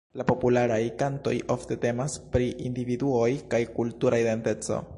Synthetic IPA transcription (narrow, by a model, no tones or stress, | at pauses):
lapo̞pulaɾajkanto̞jʔo̞fte̞te̞maspɾiʔindividuo̞jkajkultuɾaide̞nte̞t͡so̞̰